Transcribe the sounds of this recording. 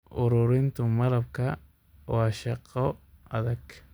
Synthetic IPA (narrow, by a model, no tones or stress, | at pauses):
ʔʊɾuɾɪnt̪ʊmɐlɐb̚kʰɐ | w̰ʃɐqːɔɐðɐɡ